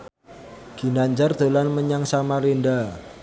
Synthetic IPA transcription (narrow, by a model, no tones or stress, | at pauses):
ɡ̥i̤naɲd͡ʒard̪̥olanməɲaŋsamalenda